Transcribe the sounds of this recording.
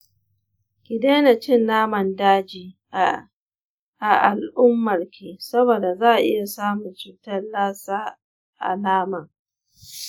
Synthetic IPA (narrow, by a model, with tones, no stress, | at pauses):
kʲɪ˨de˦na˨t͡ʃɪ˦˨nːaː˦mɐ˨ndaː˦d͡ʒiː˨ | ʔa˨ʔa˨lʔʊ˦mːɐ˨rkʲʰeː˨sɐ˦boː˨da˨zaː˦ʔʔɪ̰˦ja˨saː˦mʊ˨nt͡ʃuː˨tɐ˦laː˦saː˦ | ʔa̰˨laː˦mɐ˨ŋ